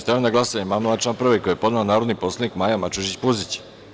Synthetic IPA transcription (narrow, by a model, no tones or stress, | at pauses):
st̪aonaɡlˠasaɲemamolˠat͡ʃamprɾ̩ʋeko̞jepo̞d̪naonaːɾod̪nipo̞sled̪nikmajamat͡ʃuʒit͡ɕpuzit͡ɕ